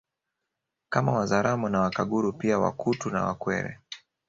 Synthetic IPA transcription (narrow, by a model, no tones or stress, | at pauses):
kamawazaɾamɔnawakaɠuɾupiawa̰kʰutuna̰wakwɛ̰ɾɛ̰